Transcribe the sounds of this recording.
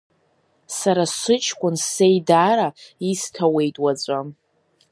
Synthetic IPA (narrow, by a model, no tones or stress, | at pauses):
saɾasʷɨt͡ʃʼʰkʷʼʊnse̞jdaːɾaistʰawe̞jtʼwat͡sʷʼam